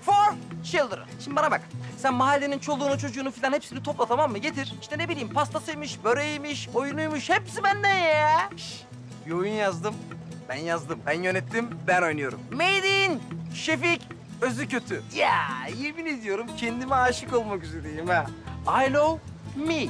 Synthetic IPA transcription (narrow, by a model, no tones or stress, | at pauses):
foɾʃilˠd̪ɾɯ̰nʃimd̪ibanabaksænmaɦalʲːenint͡ʃʰo̞lˠuːnut͡ʃʰo̞d͡ʒuːnufilʲanhepsinit̪ʰo̞plˠat̪ʰamamːɯɟe̞t̪ʰiɾ̥iʃt̪ɛne̞bilʲiːmpʰast̪ʰasɯjmɯʃbøɾejimɯʃojunujmuʃhɛpsibænd̪ænjɛʃ | bio̞junjazd̪ɯmbænjazd̪ɯmbænjø̞nɛt̪ʰːimbæno̞jnujo̞ɾṵmmejd̪inʃefic | øzycø̞t̪ʰyjæ̰jeminid̪ijo̞ɾumcʰɛnd̪imɛaːʃɯkolˠmakyzøɾejimɛajlˠomi